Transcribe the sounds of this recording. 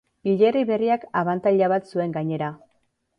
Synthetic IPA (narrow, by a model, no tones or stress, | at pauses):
iʎeriβe̞riakaβant̪aʎaβat̪sue̞ŋɡaɲe̞ɾa